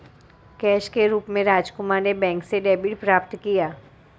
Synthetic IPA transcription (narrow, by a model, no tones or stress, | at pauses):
kɛːʃkeɾuːpmẽɾaːd͡ʒkʊmaɾnebɛ̃ːŋkseɖeːbɪʈpɾaːp̚t̪kijaː